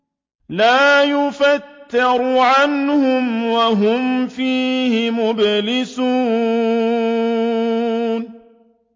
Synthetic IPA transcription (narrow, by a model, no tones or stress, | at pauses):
laːjʊfat̪ːɪɾʕanhʊmwaɦʊmfiːhɪmʊblɪsuː | n